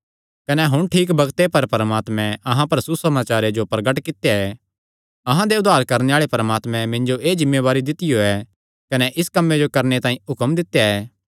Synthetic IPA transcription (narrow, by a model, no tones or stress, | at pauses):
kɐnɛɦʊɽ̃ʈʰiːkbɐɡt̪epɐɾpɐɾəmaːt̪mɛ̃ɐɦãpɐɾsusɐmaːt͡ʃaːɾed͡ʒopɾɐɡəʈkɪt̪jaɛ | ɐɦãd̪eʊd̪ʱːaːɾkɐɾneaːɭepɐɾəmaːt̪mɛ̃mɪ̃nd͡ʒoʔeːd͡ʒɪmːeʋaːɾid̪ɪt̪ɪjoɛ | kɐnɛʔɪskɐmːed͡ʒokɐɾnet̪ãːĩʊkəmd̪ɪt̪ːejaɛː